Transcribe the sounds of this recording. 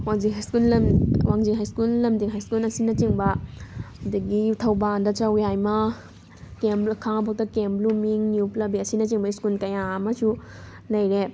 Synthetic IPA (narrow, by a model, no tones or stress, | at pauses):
waŋd͡ʒiŋɦajskulɐwaŋd͡ʒiŋɦajskulːɐmdiŋɦajskulɐsinɐt͡ʃiŋbɐhudɐɡitʰɐwbandɐt͡ʃawjajmɐ | kembkʰaŋpʰak̚tɐkemblumiŋniuplɐbiɐsinɐt͡ʃiŋbɐiskulkɐjaɐmɐsu | lɐjɾe